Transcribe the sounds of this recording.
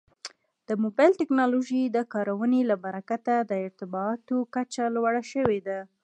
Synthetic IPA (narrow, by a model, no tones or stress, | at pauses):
d̪̥əmobɑjlʈɪknɑloʒid̪əkɑɾawənelabaɾakat̪ad̪əɪɾt̪ɪbɑːt̪okat͡ʃalwaɽaʃəwed̪a